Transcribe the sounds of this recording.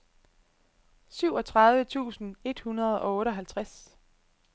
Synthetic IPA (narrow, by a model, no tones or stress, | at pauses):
syʊɒ̽t͡sʰʁɑ̈ð̞ˠʋət͡sʰṵːsn̩e̝d̥hunʁɐð̞ˠɒ̽ɔ̽ːɾəɒ̽ɦælt͡sʰʁas